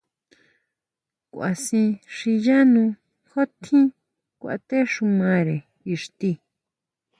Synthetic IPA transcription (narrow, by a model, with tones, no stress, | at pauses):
kʷa̰˨sĩ˧ʂi˧ja˦nũ˧ | xo˦t̪ʰĩ˦ | kʷa̰˧t̪e˦ʂu˧mã˧ɾe˨ | i˧ʂt̪i˧